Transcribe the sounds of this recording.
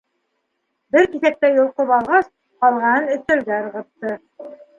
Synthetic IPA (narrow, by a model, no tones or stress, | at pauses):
bɘɾkiθæk̚t̪æjŏlˠqopɑlˠʁɑs | qɑlˠʁɑnɤnɵ̆θt̪æ̆lɡæɤɾʁɤ̆t̪ːɤ